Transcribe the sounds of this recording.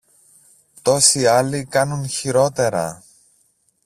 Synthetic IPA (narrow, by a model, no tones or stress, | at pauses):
t̪o̞siɐlikɐnunçiɾo̞t̪e̞ɾɐ̰